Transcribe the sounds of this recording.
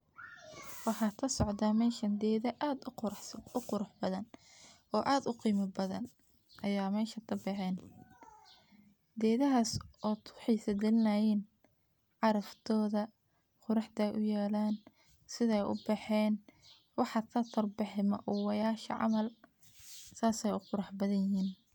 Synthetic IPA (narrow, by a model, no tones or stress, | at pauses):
wɑħɑːt̪ʰɐsɔʕd̪aːmɛːʃɐnd̪ɛðɐʔaːd̪ | ʊqʊɾʊħbɐðɐn | ɔːʔaːd̪ʊqiːmɐbɐðɐ̰n | ʔɐjaːmɛːʃɐt̪ʰɐbɛħɛːn | d̪ɛːðɐɦaːsɔːt̪ʰʊ̥ħiːsɐd̪ɛlɪnɐjiːn | ʕɑɾɐft̪ʰɔːðɐ | qʊɾɑħd̪ɐjʔʊjaːlaːn | sɪðɐɛjʔʊ̰bɛħɛːn | wɑħɑt̪ʰɐt̪ʰɐrbɪħɪmɐ̰ʔuːwɑjaːʃɐ̰ʕɑ̰mɐl | saːsɛjʊqʊɾɑħbɐðɐjɦiːn